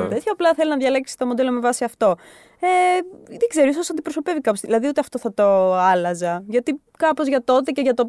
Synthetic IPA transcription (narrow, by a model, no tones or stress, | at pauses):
t̪et̪çɐːplɐθe̞linɐðʝɐleksist̪o̞mo̞d̪e̞lome̞vɐsiɐft̪o̞ | eðeɡze̞ɾoisosɐnd̪ipɾoso̞pe̞vikɐpozðilɐðiut̪eɐft̪o̞θɐt̪o̞ɐlɐzɐʝɐt̪i | kɐpo̞zʝɐt̪o̞t̪e̞ceʝɐt̪o